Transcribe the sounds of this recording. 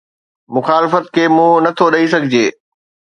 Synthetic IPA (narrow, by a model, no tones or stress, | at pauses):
mʊxaːlɪfət̪kʰeːmũːnɐt̪ʰoɗɐisɐɡʱɪd͡ʑeː